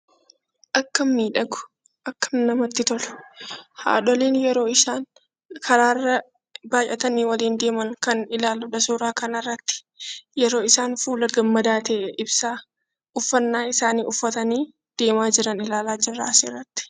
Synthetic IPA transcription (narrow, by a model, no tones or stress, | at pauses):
ʔɐkːɐmːiːᶑɐɡʊ̥ | ʔɐkːɐmnɐmɐt̪ːɪt̪ɔlʊ̥ha̰ːᶑɔleːnjɛɾo̞ːɪsaːn | kʰɐɾaːrːɐ | baːjʔɐt̪ɐniːwɐliːnd̪e̞ːmɐŋkɐnɪlaːlʊᶑɐsuːɾaːkɐnɐrːɐt̪ːɪ̥ | jɛɾo̞ːɪsaːnfuːlɐɡɐmːɐd̪aːt̪eːʔʔɪbsaː | ʔʊfːɐnːaːɪsaːniːʊfːɐt̪ɐniː | d̪̥e̞ːmaːd͡ʒɪɾɐnɪlaːlaːd͡ʒɪrːa̰ːsḛːrːɐt̪ːɪ̥